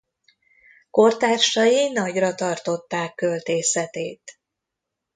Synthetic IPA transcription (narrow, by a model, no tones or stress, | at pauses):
ko̞rt̪aːrʃɒjinɒɟrɒt̪ɒrt̪o̞t̪ːaːkːø̞lt̪eːsɛt̪eːt̪